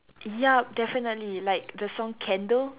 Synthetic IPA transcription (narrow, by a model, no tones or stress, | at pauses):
jadɛfinətlilaɪk̚dəsɔ̃ŋkʰɛ̃ndəl